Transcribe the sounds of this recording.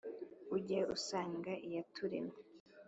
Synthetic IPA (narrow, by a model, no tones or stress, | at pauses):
uɟeʔusaːŋɡaʔijatʰuɾḛme